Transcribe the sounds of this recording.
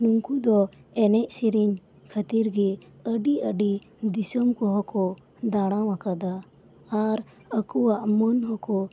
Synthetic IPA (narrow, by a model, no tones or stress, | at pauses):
nuŋkud̪ɔ | ɛnɛʔsiɾiɲ | kʰət̪iɾɡi | əɖiəɖi | d̪isɔmkɔɦɔkɔ | d̪aɽ̃awakad̪aː | ɾ | əkuwaʔmənɦɔkɔ